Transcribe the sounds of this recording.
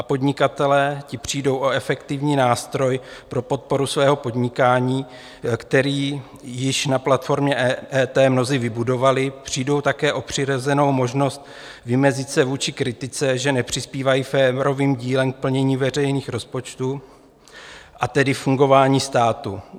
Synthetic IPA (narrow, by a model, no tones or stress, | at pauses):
ʔapo̞dɲɪkat̪ɛlɛːcɪpr̝̥ijdo̞wʔo̞ɛfɛkt̪ɪvɲiːnaːst̪ɾo̞jpɾo̞po̞t̪̚po̞ɾusvɛːɦo̞po̞dɲɪkaːɲiː | kt̪ɛɾiː | jɪʃnaplat̪fo̞ɾmɲɛɛːt̪ɛːmno̞zɪvɪbudo̞valɪpr̝̥iːdo̞wt̪akɛːʔo̞pr̝̥ɪɾozɛno̞wmo̞ʒno̞st̪ | vɪmɛzɪt͡sɛvuːt͡ʃɪkɾɪt̪ɪt͡sɛʒɛnɛpr̝̥ɪspiːvajiːfɛːɾo̞viːmɟiːlɛmk̚pl̩ɲɛɲiːvɛrɛjniːxɾo̞spo̞t͡ʃt̪u | ʔat̪ɛdɪfuŋɡo̞vaːɲiːst̪aːt̪u